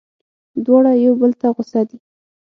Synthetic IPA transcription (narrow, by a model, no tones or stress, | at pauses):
d̪wɑɽajawbəlt̪aɣʊsad̪i